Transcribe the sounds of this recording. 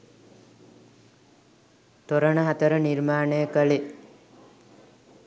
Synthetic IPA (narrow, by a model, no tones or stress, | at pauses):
t̪oɾəɳəɦat̪əɾəniɾmaːnejəkəli